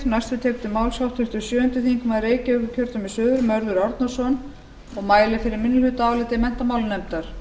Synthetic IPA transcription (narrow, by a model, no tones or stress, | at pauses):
najst̪vʏt̪ʰekt̪ɪmawlsjawht̪ʰʏht̪ʏsjœːʏnt̪ɪθiiŋkʏmaðreːjcɪʏkʏcʰœɾt̪ʏmɪsœːðʏɾmœɾðʏɾɔɾt̪nḁsɔn | ɔɣmaːjlɪfɪɾɪɾmɪnːʏlhʏt̪aːwlɪt̪ɪmɛn̥t̪amaːwlnɛmt̪aɾ̥